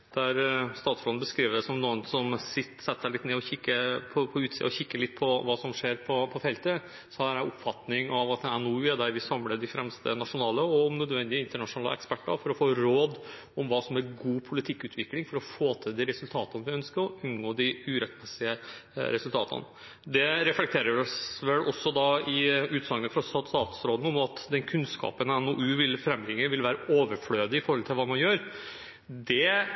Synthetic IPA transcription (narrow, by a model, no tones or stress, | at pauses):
d̪̥æɾst̪ɑːt̪sflɔnbəskɾiːʋəd̪ɛsɔmnuːənsɔmsɪt̪ːsɛt̪ːə̥sæɪlɪt̪neːɔçɪkːəpʰɔpʰɔʉːt̪siːəɔçɪkːəɭɪt̪ːpʰɔʋɑːsɔmʂeːɾpʰɔpʰɔfɛlt̪ə | sɔhæːɾæʔɔpfɑt̪nɪŋɑʋɑt̪̚d̪ɛænuːɛd̪æɾʋɪsɑmləd̪ɪfɾɛmst̪ə̰nɑʂʊnɑːləɔmnœd̪ʋɛnd̪ɪəɪnt̪əɳɑʂʊnɑːlə̰ɛ̰kspæʈːə̰ɾfɔɾɔfoːɾoːd̪ | ɔmʋɑːsɔmæɾɡuːpʰʊlɪt̪ʰɪkːʉːt̪ʰʋɪklɪŋfɔɾɔfoːt̪ʰɪd̪iɾɛsʉlt̪ʰɑːt̪ɑnʋɪœnskəɾɔʔʉnɡoːd̪ɪʉːɾɛt̪mɛsɪəɾɛsʉlt̪ʰɑ̰ːt̪ʰə̰n | d̪ɛɾɛflɛkt̪ʰeːɾəʋɪɔsʋɛlːɔsːɔd̪ɑɪʉːt̪sɑŋːəfɾɑst̪ɑst̪ɑːt̪ʊ̥sɾoːd̪n̩ɔmɑt̪d̪ɛnkʰʉnskɑ̰ːpənɛnoːʔʉːʋɪlfɾɛmːɾɪŋːəʋɪlʋæːɾəʔoːʋəɾfløːd̪əɪfɔɾhɔlt̪ʰɪlʋɑːmɑnjøːɾ | d̪ɛ